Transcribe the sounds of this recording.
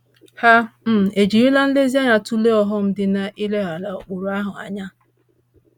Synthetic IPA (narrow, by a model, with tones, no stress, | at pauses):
ha˦m̩˦˨e˨d͡ʒi˨ɾi˦la˦n̩˦le˦zi˦a˦ɲa˨tu˦le˦ɔ˦ɦɔ˦m̩˦dɪ˨na˨ʔi˦le˦ɦa˨la˨o˨k͡pʊ˨ɾʊ˨a˦ɦʊ˨a̰˨ɲa˦